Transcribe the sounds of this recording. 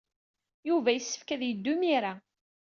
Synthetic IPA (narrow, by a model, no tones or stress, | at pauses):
juvæjəsːə̥fkæðjəd̪ːʊmiɾa